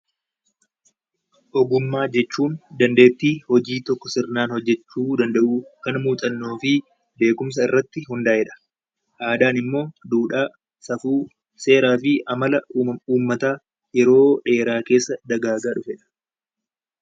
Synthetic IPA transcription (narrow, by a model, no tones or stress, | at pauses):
ʔɔɡʊmːaːd͡ʒɛt͡ʃːuːnd̪ɐnd̪e̞ːt̪ːiːhɔd͡ʒiːt̪ɔkːɔsɪrnaːnhɔd͡ʒːɛt͡ʃːuːd̪ɐnd̪ɐʔuːkɐnmuːt̪ʼɐnːo̞ːfɪ | be̞ːkʊms̬ɐɪrːɐt̪ːɪhʊnd̪aːhɛᶑɐ̥ | ʔaːd̪aːnɪmːo̞ːd̪uːᶑaː | sɐfuː | se̞ːɾaːfɪʔɐmɐlɐuːmːɐt̪aː | jɛɾo̞ːᶑe̞ːɾaːke̞ːsːɐd̪ɐɡaːɡaːᶑʊfɛᶑɐ̥